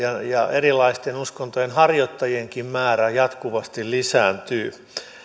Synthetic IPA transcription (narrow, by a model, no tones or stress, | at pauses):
ɑjɑerilɑist̪enuskont̪ojenhɑrjot̪ːɑjieŋkimmæːræjɑt̪kuʋɑst̪illisæːnt̪yː